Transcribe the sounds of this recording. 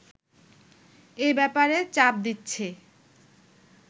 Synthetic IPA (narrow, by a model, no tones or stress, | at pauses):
ebɛpaɾet͡ɕap̚d̪itːɕʰe